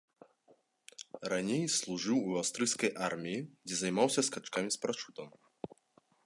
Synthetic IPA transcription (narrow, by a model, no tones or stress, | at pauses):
ranʲejslˠuʐɨwuawst̪ɾɨjskɐjʔarmʲijid͡zʲɛzajmawsʲɐskat͡ʂkamʲispɾat͡ʂut̪ɐm